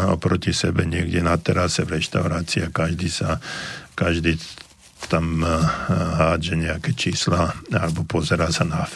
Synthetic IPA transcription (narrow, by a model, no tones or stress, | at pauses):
ɔ̰pɾɔcisɛbɛɲɪɛɡɟɛnat̪ɛɾasɛvɾɛʃt̪aʊɾaːt͡siakaʒd̪iːsakaʒd̪iː | t̪am | ɦaːd͡ʒɛɲɛakɛt͡ʃiːslaalɛbɔpɔzɛɾaːsana